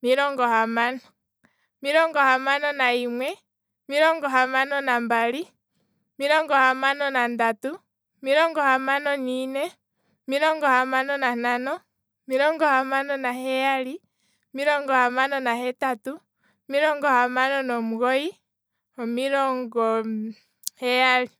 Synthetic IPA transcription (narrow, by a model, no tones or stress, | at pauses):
miɾɔŋɡɔhamanɔ | miɾɔŋɡɔhamanɔnaimwɛ | miɾɔŋɡɔɦamanɔnambali | miɾɔŋɡɔhamanɔnandatu | miɾɔŋɡɔhamanɔniːnɛ | miɾɔŋɡɔhamanɔnananɔ | miɾɔŋɡɔhamanɔnaɦɛjali | miɾɔŋɡɔhamanɔnahɛtatu | miɾɔŋɡɔhamanɔnɔmuɣɔi | ɔmiɾɔŋɡɔ | hɛjali